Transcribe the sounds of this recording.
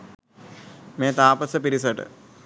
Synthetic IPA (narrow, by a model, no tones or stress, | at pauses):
meːt̪aːpɐsəpiɾis̬ɐʈə̰